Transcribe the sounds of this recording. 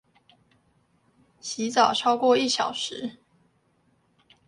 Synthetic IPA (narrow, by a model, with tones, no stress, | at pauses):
ɕi˨˥t͡sɑ˨˩ʊʈ͡ʂʰɑ˥ʊkwɔ˥˧i˥˩ɕjɑ˨˩ʊʂɻ̩˨˦